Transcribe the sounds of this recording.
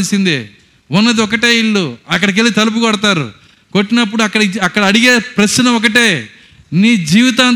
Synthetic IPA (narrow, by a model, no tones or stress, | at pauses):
lsind̪i | unːɐd̪iɔkɐʈeːiɭːuɐkːɐɽɐk̬eliit̪ɐlup̬ukɔɽɐt̪aːɾṵ | koʈːinɐp̬ːuɽuɐkːɐɽɐɐkːɐɽɐɐɽiɡeːpɾɐsɐnɐɔk̬ɐʈeː | niːd͡ʒiːʋit̪aːn